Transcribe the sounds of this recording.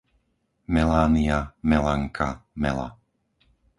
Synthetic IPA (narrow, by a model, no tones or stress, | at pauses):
mɛlaːniamɛlaŋkʰamɛ̰la̰